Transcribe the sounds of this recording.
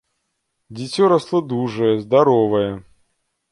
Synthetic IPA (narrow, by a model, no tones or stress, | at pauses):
dʲɪtʲoɾɐslˠɐd̪uʐɨjəzd̪ɐɾovəjə